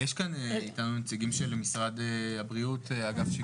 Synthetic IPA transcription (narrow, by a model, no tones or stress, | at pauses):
jeʃkaneitanunet͡siɡimʃelmisʁad̪eabʁiut̪eaɡafʃe